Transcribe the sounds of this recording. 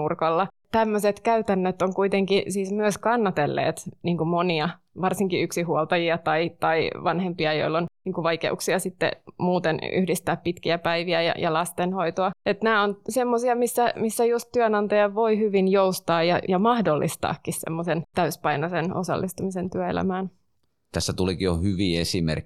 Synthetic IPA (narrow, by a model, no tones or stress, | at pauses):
urkolːɑ | t̪æmːøset̪kæyt̪ænːøt̪oŋkuit̪eŋkisiːsmyøskɑnːɑt̪elːḛːt̪niːŋkumoniɑ | ʋɑrsiŋkiyksihuolt̪ɑjiɑt̪ɑit̪ɑiʋɑnhempiɑjo̰ilːonniːŋkuʋɑikḛṵksiɑsit̪ːḛmuːt̪eny̰hdist̪æːppit̪kiæpæiʋiæjɑ̰jɑlɑst̪enhoit̪oɑet̪næːonsemːosiɑmisːæmisːæjust̪t̪yønɑnt̪ɑjɑʋʋoihyʋinjoust̪ɑːjjɑjɑmɑhdolːʔḭst̪ɑ̰ːkːissḛmːosent̪æyspɑinoseno̰sɑ̰lːist̪umisent̪yæḛlæ̰mæːn | t̪æsːæt̪ulikijohyʋiesimḛrkːˑi̥